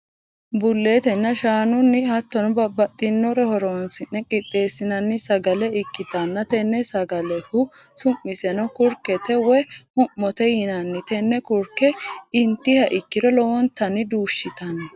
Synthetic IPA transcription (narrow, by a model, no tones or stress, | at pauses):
bʊlːe̞ːt̪ɛnːɐʃaːnʊnːɪhɐt̪ːɔnɔbɐbːɐt̪ʼːɪnːɔɾɛhɔɾɔnsɪnːɛkʼɪt̪ʼːe̞ːsːɪnɐnːɪsɐɡɐlɛɪkːɪt̪ɐnːɐt̪ɛnːɛsɐɡɐlɛhʊ | sʊmːɪsɛnɔkʊɾkɛt̪ɛwɔjhʊmːɔt̪ɛjɪnɐnːɪt̪ɛnːɛkʊɾkːɛɪnt̪ːɪhɐʔɪkːɪdɔlɔwɔnt̪ːɐnːɪd̪uːʃːɪt̪ɐnɐ